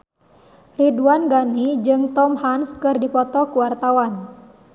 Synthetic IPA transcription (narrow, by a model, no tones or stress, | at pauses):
riduanɡanid͡ʒɨŋt̪ɔmhanskɨrdipɔt̪ɔkuwart̪awan